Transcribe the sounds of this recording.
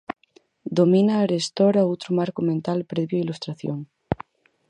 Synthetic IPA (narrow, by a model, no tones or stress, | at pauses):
d̪omĩnaːɾest̪oɾaowt̪ɾomaɾkomẽnt̪alpɾeβjoilust̪ɾaθjoŋ